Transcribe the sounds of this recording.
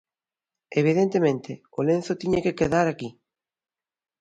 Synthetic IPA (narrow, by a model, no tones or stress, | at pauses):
eβ̞iðent̪emẽnt̪e | olenθot̪iɲekekeðaɾaki